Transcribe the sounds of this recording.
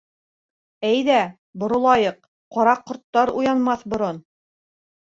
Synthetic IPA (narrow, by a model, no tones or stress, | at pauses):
æjðæ | bŏɾŏlˠɑjɤq̚ | qɑɾɑqːŏɾt̪ːɑɾujɑnmɑθbŏɾon